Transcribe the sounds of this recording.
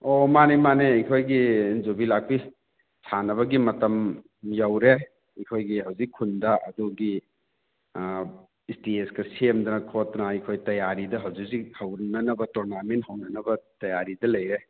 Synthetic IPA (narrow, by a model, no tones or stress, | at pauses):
omanemaneɐjkʰojɡid͡ʒobilak̚pi | sanɐβɐɡimɐtɐm | jawɾe | ɐkʰojɡiɦɐwzikʰːundɐʔɐ̰duɡi | stieskɐsemdɐnɐkʰotnɐɐjkʰojtɐjaɾidɐɦɐwziksihɐwnɐnɐbɐtɔɾnamenthɐwnɐnɐbɐtɐjaɾidɐlɐjɾe